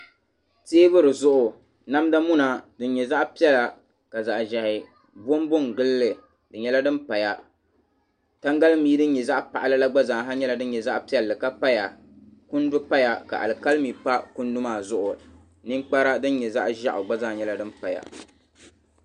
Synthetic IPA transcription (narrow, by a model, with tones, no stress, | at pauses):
teː˦bɨ˦ɾɨ˨zʊ˦ʔʊ˨ | na˦mda˦mʊ˦na˨dɨ˦n˦ɲɛ˨za˦ʔpi˦ɛ˦la˨ | ka˨za˨ʔʒɛ˨hɪ˨ | bo˦m˦bʊ˦ŋɡɨ˦lːɨ˨ | dɨ˨ɲɛ˦la˦dɨ˦mpa˨ja˨ | ta˦ŋɡa˦lmiː˦dɨ˦n˦ɲɛ˨za˦ʔpa˨ʔa˨lɨ˦la˦ɡ͡ba˦za˨ɦa˦ɲɛ˦la˨dɨ˦n˦ɲɛ˨za˦ʔpi˦ɛ˨lːɨ˨ka˦pa˦ja˨ | kʊ˦n˦dʊ˦pa˦ja˨ka̰˨ʔa̰˨lɨ˨ka˦lmiː˨pa˦kʊ˦n˦dʊ˦maː˦˨zʊ˦ʔʊ˨ | nɨ˦ŋk͡pa˦ɾa˦dɨ˦n˦ɲɛ˨za˦ʔʒa˦ʔʊ˨ɡ͡ba˦za˦˨ɲɛ˦la˦dɨ˦m˦pa˨ja̰˨